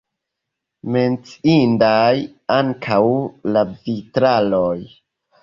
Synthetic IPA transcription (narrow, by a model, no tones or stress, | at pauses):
me̞nt͡si̥indaj | aŋkʰawlavitɾaloj